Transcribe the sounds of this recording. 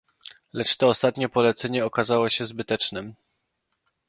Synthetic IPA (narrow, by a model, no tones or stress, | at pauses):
lɛt͡ʂt̪ɔːst̪at̪ɲɛpɔlɛt̪sɛɲɛɔkazawɔɕɛzbɘt̪ɛt͡ʂnɘm